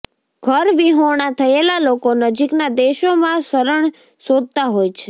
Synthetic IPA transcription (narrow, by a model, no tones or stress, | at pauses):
ɡʱəɾʋiɦoɳ̃at̪ʰəelalokonəd͡ʒiknad̪eʃomãsəɾəɳ | sod̪̚ʱt̪aɦojt͡ʃʰe̥